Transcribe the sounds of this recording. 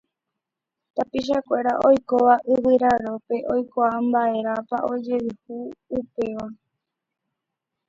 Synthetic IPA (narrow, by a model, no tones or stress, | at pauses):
t̪apiʃ̬akʷe̞ɾaʔo̞jkoʋaʔɨwɨɾaɾo̞pe̞ʔo̞jkaambae̞ɾapaʔo̞d͡ʒe̞ʋihuːpe̞ʋa